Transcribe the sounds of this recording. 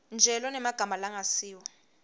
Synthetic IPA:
nd͡ʒʱɛlɔnɛmaɡ̥ʱamalaŋasiːwɔ

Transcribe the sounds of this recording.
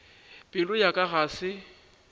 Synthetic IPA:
pʼɪlʊjakʼaɣaːsɪ

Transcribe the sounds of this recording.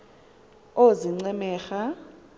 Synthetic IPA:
oziŋ͡ǀɛmɛːxa

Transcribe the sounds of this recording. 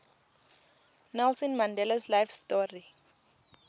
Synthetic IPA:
nɛlsɔ̃nmandɛlaslajfstɔri

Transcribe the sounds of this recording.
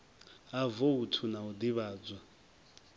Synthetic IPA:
avoutʰunaud̪iβaːd͡zwa

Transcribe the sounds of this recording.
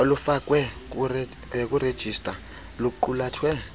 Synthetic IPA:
olufak̬ʼwɛk̬uk̬ʼured̥ʒ̥ʱistʼa | luk̬uǃulaːtʰwɛ

